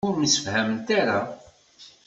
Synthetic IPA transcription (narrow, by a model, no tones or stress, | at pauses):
ʊɾməsə̥fhæmənt̪aɾa